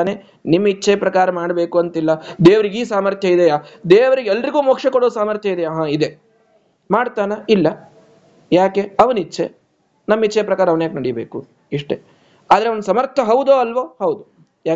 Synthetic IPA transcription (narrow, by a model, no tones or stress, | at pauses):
aːne | nimːɐit͡ʃːeːpɾɐkaːɾɐmaːɽbeːkuɐnt̪ilːɐd̪eːʋɐɾiɡiːsaːmɐɾt̪ʰjɐid̪ɛjad̪eːʋɐɾiɡɛlːɐɾiɡuːmoːkʂɐkoɽoːsaːmɐɾt̪ʰjɐid̪ɛjaːɦaid̪e̞ | maːɽt̪aːnɐilːɐ | jaːkeɐʋɐnit͡ʃːʃḛ | nɐmːit͡ʃːeːpɾɐkaːɾɐʋɐnjaːknɐɽijbḛːku | iʂʈe | aːd̪ɐɾeond̪sɐmɐɾt̪ʰɐɦɐwd̪oːɐlʋoːhɐwd̪u | jaː